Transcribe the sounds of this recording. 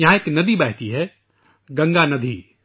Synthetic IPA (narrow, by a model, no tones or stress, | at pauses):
jɐɦãeːknɐd̪ibɛːɦt̪iɦɛ | ɡɐ̃ŋɡanɐd̪ʱiː